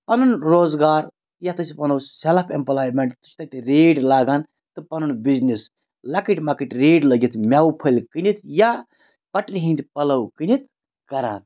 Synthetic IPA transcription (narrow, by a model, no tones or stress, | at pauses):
pɐnunɾoːzɡaːɾ | jat̪ɨsipɐnɐwselpʰempɐlaːjmeɳʈt̪ɨ̥st̪ɐt̪ɾeːɖlaːɡaːn | t̪ɨpɐnunbiznis | lɐkiʈʲmakiʈʲɾeːɖlɐɡit̪ʰmʲaːwupʰəlʲkɨnit̪ʰja | pɐʈlʲiɦĩnd̪pɐlɐwkɨnʲit̪̚ʰ | kɐɾa̰ːn